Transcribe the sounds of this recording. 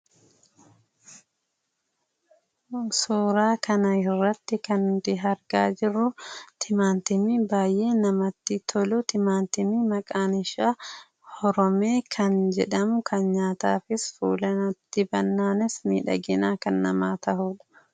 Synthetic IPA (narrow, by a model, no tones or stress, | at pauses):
suːɾaːkɐnɐɪrːɐt̪ːɪkɐnd̪ɪɦɐɾɡaːd͡ʒɪrːʊt̪ʰɪmaːnt̪ɪmibaːjʔe̞ːnɐmɐt̪ːɪt̪ʰɔlʊt̪ɪmaːnt̪ɪmimɐkʼaːnɪʃa | hɔɾɔmeːkʰɐnd͡ʒɛᶑɐmʊkʰɐnɲaːt̪a̰ːfɪsfuːlɐnɐt̪ːɪbɐnːaːnɪsmḭːᶑɐ̰ɡɪnaːkɐnːɐmaːt̪ɐhuːᶑɐ̥